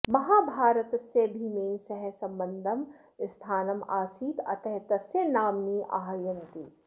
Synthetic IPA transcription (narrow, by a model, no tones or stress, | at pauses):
mɐɦaːbʱaːɾət̪sebʱimeːĩsɐɦɛ̃sɐ̃mbɐnd̪ʱɐm | ɪst̪ʰaːnɐmaːsiːt̪ɐ̰t̪ɐɦt̪ɐsjɐnaːmniʔa̰ːɦjɐnt̪i